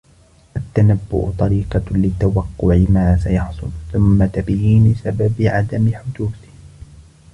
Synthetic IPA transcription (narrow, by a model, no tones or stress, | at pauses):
ʔat̪ːanabːʊ̰ʔt̪ˤɑɾiːqɑlɪt̪ːawɑqːʊʕɪmaːsajɑħsˤʊ̰lθʊmːat̪abjiːnɪsababɪʕad̪amɪħʊd̪uːθɪh